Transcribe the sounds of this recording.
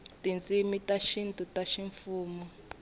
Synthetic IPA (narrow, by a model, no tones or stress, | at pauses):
tint͡sʼimitaʃintʼutaʃiɱfuːmɔ